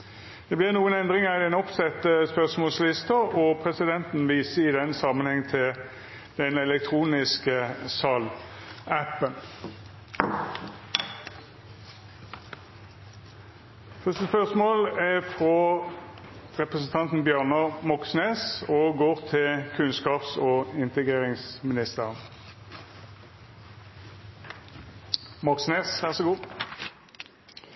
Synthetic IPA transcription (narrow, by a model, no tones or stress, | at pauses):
d̪̥ɛːblɪʁnuːənɛnd̪ʁɪŋɑɪd̪ɛnɔpsɛt̪əspœʁsmoːlslɪst̪ɑɔpʰʁɛsɪd̪ɛnt̪n̩ʋiːsəɪd̪ɛnsɑmənhɛŋt̪ʰɪl | d̪̥ɛnɛlɛk̚t̪ʰʁuːnɪskəsɑlæpən | fɪst̪əspœʁsmoːlæfʁo | ʁɛpʁəsən̩t̪ʰɑnt̪n̩bjøːʁnəʁmɔksneːsoːɡoːʁt̪ʰɪlkʰʉnskɑːpsoːɪnt̪əɡʁeːʁɪŋsmɪnɪst̪əʁən | mɔksneːsʋæʁsɔɡuː